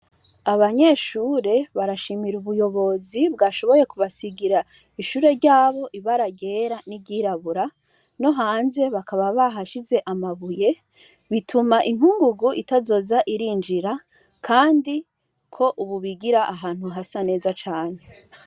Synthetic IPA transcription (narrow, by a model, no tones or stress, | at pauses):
aβaɲe̞ʃuːɾe̞βaɾaʃimiɾuβujo̞βo̞zibɡaʃo̞βo̞jekuβasiɡiɾa | iʃuːɾe̞ɾɟaːβo̞ʔiβaɾaɡe̞ɾaniɟiɾaβuɾa | no̞ɦaːnze̞βakaβaβaɦaʃize̞ʔamaβuje̞ | βitʰumaʔiŋ̥huŋɡuɡuʔitazo̞zaʔiɾind͡ʒiɾa | kʰaːndi | kʰo̞ʔuβuβiɡiɾaʔːɦaːn̥huɦasane̞ːzat͡ʃaːɲe̞